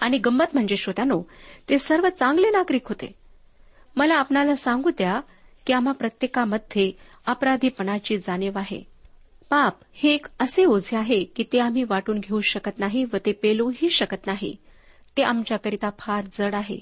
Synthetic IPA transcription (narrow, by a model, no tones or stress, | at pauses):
aɽ̃iɡəmːət̪m̤əɳd͡zeɕod̪anot̪esəɾʋət͡saŋɡlenakɾiːkɦot̪ḛ | məlaːpnalasãŋɡuːt̪ja | kiːam̤apɾət̪jekaməd̪ʱje | əpɾad̪ʱiːpəɳat͡ɕiːd͡zaneʋaɦḛ | pap | hekəseod͡zʱeaɦekiːt̪eam̤iːʋaʈuːnɡʱeuɕəkət̪naɦiʋət̪epeluɦiːɕəkət̪naɦḭ | t̪eʔamt͡ɕjakəɾit̪apʰaɾd͡zəɽaɦḛ